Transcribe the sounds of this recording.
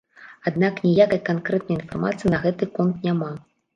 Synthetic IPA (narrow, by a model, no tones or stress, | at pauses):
ad̪naknʲijakɐjkankɾɛt̪nɐjinfarmat̪sɨjinɐɣɛt̪ɨkɔnt̪nʲama